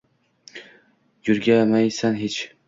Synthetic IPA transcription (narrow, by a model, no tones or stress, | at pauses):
jʊɾɡʲamajsanɦet͡ʃ